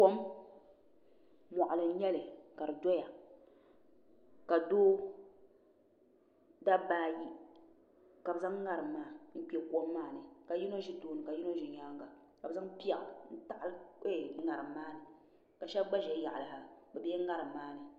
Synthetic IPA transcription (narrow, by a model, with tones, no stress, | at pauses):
ko˦m | mɔ˨ʔʊ˨lɨ˨n̩˦ɲɛ˦lɨ˨ka˨ɾɨ˨dɔ˦ja˨ | ka˨doː˦ | da˦baː˦ji˦ | ka˨bɨ˨za˦ŋ˦ŋa˨ɾɨ˨mː˨aː˦n̩˦k͡pɛ˨ko˦mːaː˦nɨ˨ka˨ji˦no˦ʒi˦toː˦nɨ˨ka˨ji˦no˦ʒɪ˨ɲa˦ŋɡa˨ | ka˨bɨ˨za˦ŋpi˦a˨ʔa˨n̩˦ta˦ʔa˦lɨ˦˨ŋa˨ɾɨ˨mː˦aː˦nɨ˨ | ka˨ʃɛ˦bɡ͡ba˦ʒɛ˨˦ja˨ʔa˨la˨a˨bɛ˨bi˦ɛ˦ŋa˦ɾɨ˨mː˨aː˦nɨ˨